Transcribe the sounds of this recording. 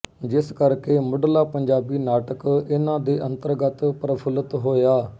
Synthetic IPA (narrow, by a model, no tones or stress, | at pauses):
d͡ʒɪskəɾkeːmʊɖlaːpəɲd͡ʒaːbiːnaːʈəkɪnãːd̪eːʔə̃nt̪əɾɡət̪pɾəpʰələt̪ɦoːjaː